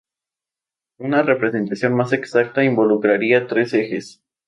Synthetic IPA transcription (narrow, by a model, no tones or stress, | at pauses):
unare̞pɾe̞se̞nt̪asjo̞nmase̞ksak̚t̪aimbo̞lukɾaɾiat̪ɾe̞se̞xe̞s